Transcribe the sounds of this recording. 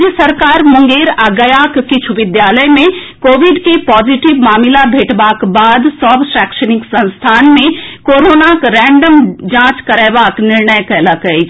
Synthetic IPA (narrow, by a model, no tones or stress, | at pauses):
d͡ʒjəsəɾkaɾmũŋɡeɾaɡəjakkit͡ʃʰuʋɪd̪jaləjmẽ | koʋiɖkepɔd͡ʒiʈiʋmaːmilabʱeʈbakbad̪səbsɾɛkʃəniksə̃nst̪ʰanmẽkoɾonakɾɛ̃ɳɖəmd͡ʒãt͡ʃkəɾɛbakniɾnəjkələkɛt͡ʃʰ